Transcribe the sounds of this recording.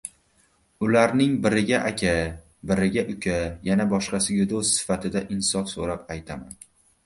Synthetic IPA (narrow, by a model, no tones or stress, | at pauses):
ʊlaɾnɪŋbɪɾɪɡʲaʔakʲʰa | bɪɾɪɡʲaʔʊkʲʰajanabɒʃqɑsɪɡʲad̪ost̪sɪ̥fat̪ʰɪd̪aʔɪnsɒfsoɾapajt̪ʰaman